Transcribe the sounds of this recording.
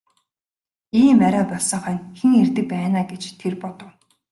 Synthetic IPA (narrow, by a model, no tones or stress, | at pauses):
iːmæɾaːpɔɮsɞ̆ŋχœːnxeŋert̪ɘ̆k̚pæːnaːɡet͡ɕt̪ʰerpɔt̪ɞ̆w